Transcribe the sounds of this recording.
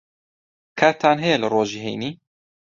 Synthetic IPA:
kʰaɾt̪ʰaːnɦɛjɛlɨɾoːʒiːɦḛjniː

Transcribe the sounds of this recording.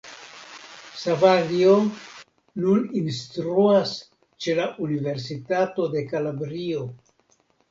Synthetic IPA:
savaɾio | nuninstɾuas | t͡ʃe̞laʔunive̞ɾs̬itato̞de̞kalabɾio̞

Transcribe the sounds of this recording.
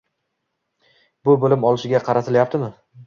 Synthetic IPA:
bʊbolɪmɒlˠɪʃɪɡʲaqʰɑɾat̪ʰɪljap̚t̪ʰɪmɪ

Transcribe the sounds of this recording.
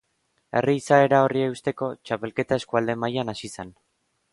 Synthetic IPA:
e̞̰riːsae̞ɾao̞rieust̪e̞ko̞t͡ʃape̞lke̞t̪ae̞skuald̪e̞majanasisen

